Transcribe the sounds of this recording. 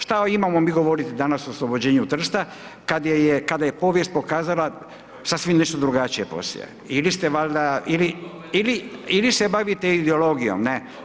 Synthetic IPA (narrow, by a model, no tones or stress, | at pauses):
ʃt̪aimamomiːɡo̞ʋo̞ɾit̪id̪anasooslˠo̞bo̞d͡ʑeːɲut̪r̩st̪a | kad̪jejekad̪aje̞po̞ʋjest̪̚po̞kaːzalˠa | sasʋimneʃt̪od̪ɾuɡat͡ʃijepo̰sḭḛ | ilist̪e̞ʋald̪aili | iliilise̞baʋit̪eid̪eolo̞ɡijo̰mne